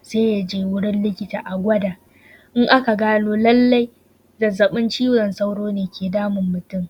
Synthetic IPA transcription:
seː˦ja˦d͡ʒeː˦wʊ˦ɽɪ˦nlɪ˦kʲɪ˦ta̰ː˨ʔa˨ɡʷɐ˦daː˨ | ʔɪ˦ŋʔa˦ka˨ɡaː˦noː˦lɐ˦lːa˦j | dɐ˨zɐ˨ɓɪ˦nt͡ʃiː˦ɽɔ˨nsa˦wɽoː˦neː˨kʲeː˨daː˦mʊ˨mːʊ˨tʊ˦˨m

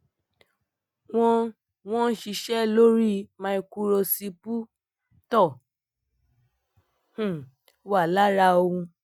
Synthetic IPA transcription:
w̃ɔ̃˧ | w̃ɔ̃˦ʃi˧ʃɛ˦lo˦ɾi˦˨mã˧˦i˧ku˧ɾo˧si˧pu˦ | tɔ˦˨ | h̩˨ | wa˦˨la˦ɾa˧o˧hũ˧

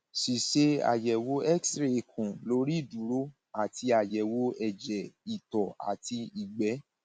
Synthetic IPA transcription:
si˨ʃe˧a̰˨jɛ˨wo˨˦ɛ˦ksɾe˨e˨kʰũ˨lo˦ɾi˦˨dũ˨˦ɾo˦ | a˦˨ti˧a˨jɛ˨wo˨˦ɛ˨d͡ʒɛ˨i˨tɔ˨a̰˨ti˧i˨ɡ͡bɛ˨˦

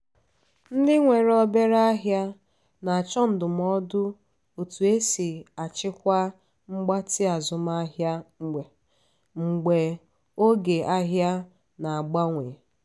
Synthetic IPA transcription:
n̩˦dɪ˦ŋʷe˨ɾɔ˦be˦ɾa˦a˦ɦja˦ | na˨a˨t͡ʃɔ˦n̩˨dʊ˨m˦ɔ˦dʊ˦ | o˨tu˨e˦si˨a˨t͡ʃɪ˦kʷa˦ | ŋ͡m̩˦ɡ͡ba˦tɪ˦a˨zʊ˨ma˦ɦja˦ŋ͡m̩˨ɡ͡be˨ | ŋ͡m̩˨ɡ͡be˨ | o˦ɡe˨ʔa˦ɦja˦ | na˨a˨ɡ͡ba˦ŋʷe˨

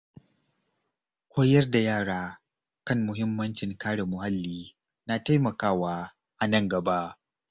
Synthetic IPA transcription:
kʷoː˦jɐ˦rda˨jaː˦˨ɽaː˦ | kɐ˦˨ŋmʊ˨ɦɪ˦mːɐ˦nt͡ʃɪ˨ŋkaː˦ɽe˨mʊ˨ha˦lːiː˦ | na˨ta˦jmɐ˨kaː˦waː˦ | ʔa˨nɐ˦ŋɡɐ˨ba˦ʔ

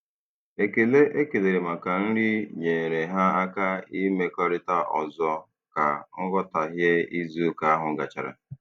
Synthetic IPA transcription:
e˨ke˨le˦ʔe˦ke˨le˨ɾe˨ma˨ka˨n̩˦ɾi˦ɲe˨ɾe˨ɦa˦a˦ka˦i˦me˦kɔ˦ɾɪ˦ta˦ʔɔ̰˨zɔ˦ | ka˨ŋ̩˦ɡɔ˦ta˨ɦje˦i˦zu˦ka˨a˦ɦʊ˨ɡa̰˨t͡ʃa̰˨ɾa̰˨

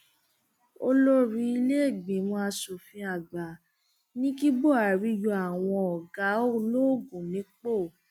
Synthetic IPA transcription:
o˧lo˦ɾĩ˧˦i˧le˦˨ɡ͡bĩ˨mɔ̃˧a˧so˨fĩ˧a˨ɡ͡ba˨ | nĩ˦ki˦bo˦˨a˨ɾi˧jo˧a˨w̃ɔ̃˧ɔ˨ɡa˨˦o˦lo˦˨ɡũ˨nĩ˨˦k͡po˦˨

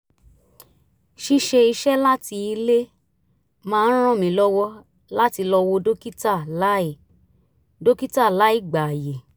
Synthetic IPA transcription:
ʃi˧ʃe˧i˧ʃɛ˦la˦ti˧i˧le˦ | mãː˧˦n̩˦ɾ̃ã˦˨mĩ˨˧˦lɔ˦wɔ˦ | la˦ti˧lɔ˧wo˧do˦ki˦ta˦˨la˦i˨ | do˦ki˦ta˦˨la˨˦i˦˨ɡ͡ba˨je˨

